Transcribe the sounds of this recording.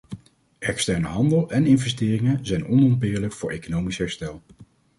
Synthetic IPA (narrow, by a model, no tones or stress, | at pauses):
ɛkstɛɹnəɦɑndəlˠɛnɪnvɛstɪːrɪŋənzɛjnɔnɔmbɪːɹləkfʊːɹʔḛjkonowmisɦɛɹstɛlˠ